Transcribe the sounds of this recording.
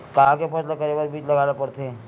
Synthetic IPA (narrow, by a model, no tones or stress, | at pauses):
kaãkepəslakəɾebaɾbʱiːt͡ʃlɐɡalapəɽt̪ʰe